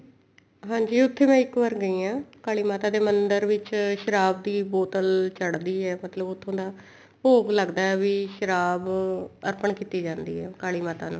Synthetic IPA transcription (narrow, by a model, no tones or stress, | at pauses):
ɦãːd͡ʒiːʊt̪ʰːeːmɛ̃ːɪkʋəːɾɡəiːãːkaːɭiːmaːt̪aːd̪eːmənd̪əɾʋɪt͡ʃʃəɾaːb̚d̪iːboːt̪əlt͡ʃəɽd̪iːɛːmət̪ləbʊt̪ʰːõːd̪aː | poːɡləɡd̪aːɛːʋiːʃəɾaːbəɾpəɳkiːt̪iːd͡ʒãːnd̪iːɦɛːkaːɭiːmaːt̪aːnṵ̃ː